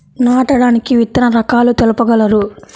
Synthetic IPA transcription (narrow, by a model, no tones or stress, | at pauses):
naːʈɐɽaːnikiʋit̪ːɐnɐɾɐkaːlut̪elɐpɐɡɐlɐɾu